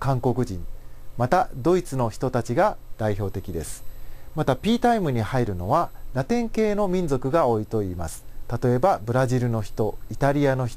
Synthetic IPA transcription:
kãŋko̞kɯ̟d͡ʑḭ̃nmat̪ad̪o̞it͡sɨno̞çi̥t̪o̞t̪at͡ɕiɡad̪̥aiço̞ːt̪e̞kʲid̪e̞sɨ̥mat̪apʲiːt̪aimɯ̟ɲ̟ihaiɾɯ̟no̞β̞aɾat̪ẽ̞ŋke̞ːno̞mʲĩnzo̞kɯ̟ɡao̞it̪o̞iːmasɨ̥t̪at̪o̞e̞babɯ̟ɾaʑiɾɯ̟no̞çi̥t̪o̞it̪aɾʲiano̞çi̥

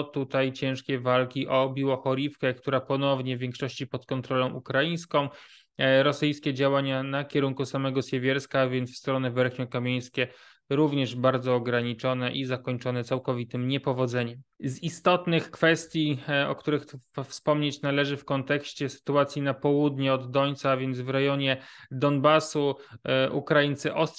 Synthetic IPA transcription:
t̪ut̪ajt͡ɕɛ̃w̃ʂkʲɛvalkʲiʔɔbʲiwɔxɔɾʲifkɛkt̪uɾapɔnɔvɲɛvʲjɛŋkʂɔɕt͡ɕipɔt̪kɔnt̪ɾɔlɔ̃w̃ʔukɾaij̃skɔ̃w̃ | ɾɔsɘjskʲɛd͡ʑawaɲanakʲɛɾuŋkusamɛɡɔsjɛvʲjɛɾskavʲjɛnt̪fst̪ɾɔnɛvɛɾxɲɔkamʲjej̃skʲɛ | ɾuvɲɛʐbaɾd̪zɔːɡɾaɲit͡ʂɔnɛʔizakɔɲt͡ʂɔnɛt̪sawkɔvʲit̪ɘmɲɛpɔvɔd̪zɛɲɛmzist̪ɔt̪nɘxkfɛst̪ʲjiɔ̰kt̪uɾɘxfspɔmɲet͡ɕnalɛʐɘfkɔnt̪ɛkɕt͡ɕɛsɘ̥t̪uat̪sʲjinapɔwud̪ɲiɔd̪ːɔɲt̪saavʲjɛnd̪zvɾɛjɔɲɛd̪ɔnbasuʔukɾajint̪sɘʔɔst

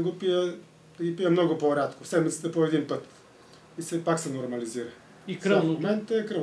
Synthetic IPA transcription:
ɡopijə | ɡipijəmnɔɡʊpoɾʲat̪kʊsɛd̪mit̪sə̥t̪əpoɛd̪inpət̪ | isɛpaksɛnoɾmɐliziɾə | ikɾomɛnt̪əɛkɾəv

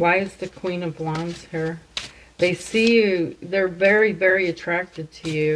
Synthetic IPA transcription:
waɪɨzðɨkʰw̥ĩnʌvlɑ̃nz̥hiɹ | ðeɪsijʉðə˞vɛɹivɛɹiɨtʰɹ̥æk̚tɨd̚tʰɨjʉ

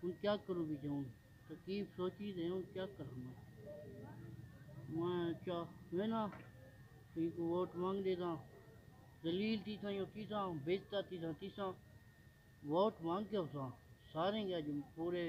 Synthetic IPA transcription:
ʊnkjaːkəɾũːbiːd͡ʒaũːn | t̪əkiːfsoːt͡ʃiːd̪ẽːʊ̃kjaːkəɾaːnaː | mãːt͡ʃaːʋẽːnãː | t̪ĩːkoːʋoːʈmãːŋɡd̪eːt̪ãː | d̪əliːlt̪iːsʰãːjõːt̪iːsãːbeːd͡ʒt̪aːt̪iːsãːt̪iːsãː | ʋoːʈmãːŋɡkeːsãːsaːɾẽːɡaːd͡ʒpuːɾeː

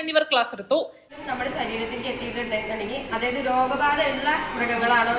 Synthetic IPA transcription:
ɐnːiʋɐrkɭaːsrit̪ːu | ɐmnɐmːɐɽesɐɾiːɾɐt̪ːinkːet̪ːijiʈːɐɳɖekɐɳiŋiɐðaːjɐðɨɾo̞ːɡɐbaːðɐjuɭːɐmrɐɡɐɣɐɭaːɳo

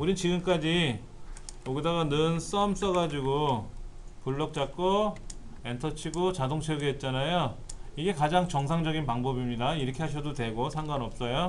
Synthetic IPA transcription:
uɾit͡ɕiɡɯmk͈ad͡ʑi | oɡidaɡanɯns͈ʌms͈ʌɡad͡ʑiɡo | puɭːʌk̚t͡ɕ͈ak̚k͈o | e̞ntʰʌt͡ɕʰiɡot͡ɕadoŋt͡ɕʰeʌɡiːt̚t͡ɕ͈anajoiɡe̞kad͡ʑaŋt͡ɕʌŋs̬ʰaŋd͡ʑʌɡinpaŋbʌbimɲidaiɾʌkʰe̞ɦaɕʰʌdotwe̞ɡosʰaŋɡanʌp̚s͈ʌjo

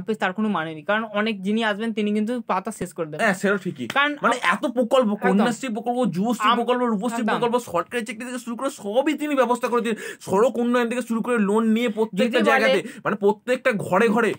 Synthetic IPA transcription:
pest̪aɾkonomanenikaɾonɔnek̚d͡ʑiniaʃbent̪inikint̪̬upat̪aseskoɾed̪ebɛ̃seɾoʈʰikḭkaɾonmaneʔɛt̪opɾokolpokonːastipɾokolpod͡ʑubost̪ʰipɾokolpoɾupost̪ʰit̪pɾokolposɔɾ̚kaɾit͡ɕek̚ʈit̪ʰekeʃuɾukoɾeʃɔbit̪inibɛbost̪ʰakoɾet̪ʰinʃɔɾokonːoet̪ʰekeʃuɾukoɾelonːiepɾot̪ːekʈad͡ʑaeɡat̪emanepɾot̪ːek̚ʈaɡʱɔɽeɡʱɔɽe

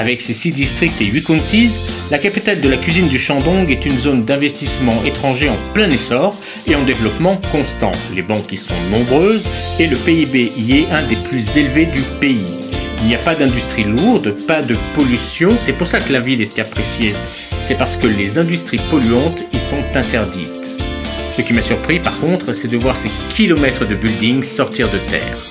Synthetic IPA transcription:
avɛksesid̪ist̪χik̚t̪eik̪ũt̪iz | lakapit̪ald̪əlakʲɥizind̪yʃɑ̃d̪ɔ̃ɡɛt̪ynzond̪ɛ̃vɛst̪ismɑ̃ʔet̪χɑ̃ʒeɑ̃plɛ̃nesɔʁ | eɑ̃d̪evlɔpmɑ̃kɔ̃st̪ɑ̰̃t̪lebɑ̃kɛlsɔ̰̃nɔ̃bʁøzeləpeibeʔiɛɛ̃d̪eplyzelved̪ypei | ilnijapad̪ɛ̃d̪yst̪χiluʁd̪pad̪əpɔlysjɔ̃sɛpuʁsakəlavilet̪ɛapχesje | sɛpaʁsə̥kəlezɛ̃d̪yst̪χipɔlyɑ̃t̪ilsɔ̃t̪ɛ̃t̪ɛʁd̪it̪ | səkʲimasyʁpχipaʁkɔ̃t̪χəsɛd̪əvwaʁse | kʲʰilɔmɛt̪χəd̪əbyld̪iŋsɔʁt̪iʁd̪ət̪ɛ̰ːʁ

